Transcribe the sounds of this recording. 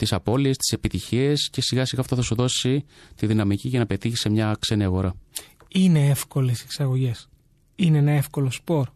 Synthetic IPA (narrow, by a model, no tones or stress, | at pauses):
t̪isɐpo̞lie̞st̪i̥se̞pit̪içie̞sce̞siɣɐsiɣɐːft̪oθɐsuðo̞si | t̪iðinɐmiciʝɐnɐpe̞t̪içi̥se̞mɲɐkse̞niɐɣo̞ɾɐ | ine̞efko̞leseksɐɣo̞ʝe̞s | ineenɐe̞fko̞lospo̞ɾ